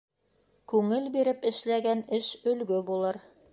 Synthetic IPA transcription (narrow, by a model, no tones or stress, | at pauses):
kʉŋɘlbiɾɘpɘ̆ʃlæɡænɘʃɵ̆lɡɵbulˠɤɾ